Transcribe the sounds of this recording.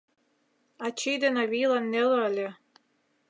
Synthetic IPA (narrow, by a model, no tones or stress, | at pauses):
ɑt͡ɕid̪enɑβijlˠɑnːelɤlʲe